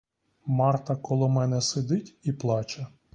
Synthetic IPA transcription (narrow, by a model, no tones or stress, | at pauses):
mɑrt̪ɐkɔlˠɔmɛnɛsed̪ɪtʲiplˠɑt͡ʃɐ